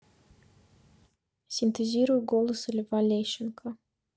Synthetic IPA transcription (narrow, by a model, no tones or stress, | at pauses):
sʲɪnt̪əzʲiɾʊjɡolˠəsɨlʲɪvalʲeɕɪnkʰə